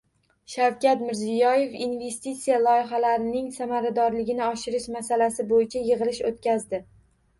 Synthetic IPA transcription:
ʃawkʲat̪mɪɾzijɒje̞finve̞st̪it̪sijalˠɒjɪɦalaɾɪnɪŋsamaɾad̪ɒɾlɪɡʲɪnɪɒʃɪɾɪʃmasalasɪbojɪt͡ʃʰajɨʁɨlɪʃot̪̚kʲazd̪ɪ

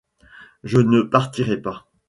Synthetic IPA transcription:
ʒənəpaʁt̪iʁɛpa

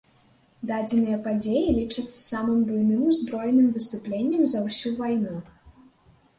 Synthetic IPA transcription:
d̪ad͡zʲɛnɨjɐpad͡zʲejilʲit͡ʂɐt̪sɐ̥samɨmbɨjnɨmuzbɾɔjnɨmvɨst̪uplʲenʲːɐmzɐwsʲuvajnu

